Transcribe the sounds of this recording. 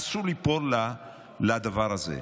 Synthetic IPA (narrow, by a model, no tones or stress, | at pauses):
sulipoɾla | lad̪avaɾazḛ